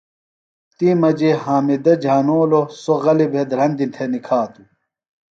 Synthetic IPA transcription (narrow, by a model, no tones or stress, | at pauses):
t̪imɐd͡ʑeɦaːmid̪ɐd͡ʑʱaːnoːlosoɣɐlibʱed̪ɾɐnd̪int̪ʰenikʰaːt̪u